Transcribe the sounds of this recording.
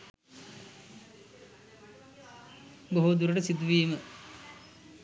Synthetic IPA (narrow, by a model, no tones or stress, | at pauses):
boɦud̪uɾəʈəsid̪uʋiːmə